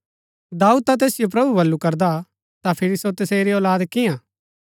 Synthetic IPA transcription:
d̪aːuːd̪̚t̪at̪̬eːsɪijop̬ɾɐbubɐlːukɐɾd̪a | t̪apʰɪɾisot̪ɐseːɾiɔːlaːd̪kɪjãː

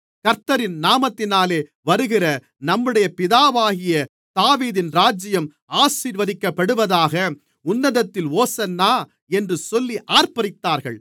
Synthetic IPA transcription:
kɐɾt̪ːɐɾɪnnaːmɐt̪ːɪnaːleː | ʋɐɾɯɣɪrɐ | nɐmːɯɽɐjɐpɪðaːʋaːɣɪjɐ | t̪aːʋiːðɪnɾaːd͡ʒɪjɐm | aːsiːɾʋɐðɪkːɐpːɐɽɯʋɐðaːɣɐ | ʊnːɐðɐt̪ːɪloːsɐnːaː | ɛndrɯsɔlːiʔaːɾpɐɾɪt̪ːaːɾɣɐɭ

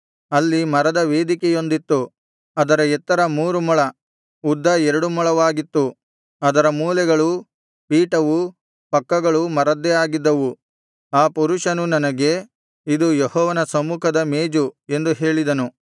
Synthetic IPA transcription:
ɐlːimɐɾɐd̪ɐʋe̞ːd̪ikɛjo̞nd̪it̪ːu | ɐd̪ɐɾɐɛt̪ːɐɾɐmuːɾumɔɭɐ | ud̪ːɐɛɾɐɽumuɭɐʋaːɡit̪ːu | ɐd̪ɐɾɐmuːlɛɡɐɭu | piːʈɐʋu | pɐkːɐɡɐɭumɐɾɐd̪ːɛjaːɡid̪ːɐʋu | aːpuɾuʂɐnunɐnɐɡe̞ | id̪ujehɔːʋɐnɐsɐmukʰɐd̪ɐmeːd͡ʒue̞nd̪uɦe̞ːɭid̪ɐnu

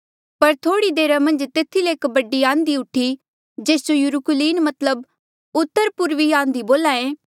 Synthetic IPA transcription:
pɐɾt̪ʰoːɽid̪eːɾamɐ̃nd͡ʒt̪eːt̪ʰileeːkbɐɖːiãːnd̪iʊʈʰːi | d͡ʒeːsd͡ʒojʊɾʊkʊliːnmɐt̪ləb | ʊt̪ːəɾpʊɾʋiãːnd̪iboːlaːẽː

